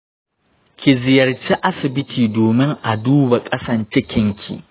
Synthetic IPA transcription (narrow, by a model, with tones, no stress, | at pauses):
kʲi˨zɪ˨jɐ˨rt͡ʃi˦ʔa˦sɪ˨bɪ˦tʰiː˨doː˨mɪ˦ŋʔa˨duː˦ba˨kʼɐ˦sɐ˨nt͡ʃɛ˦kʲɪ˦ŋkʲʰḭ˨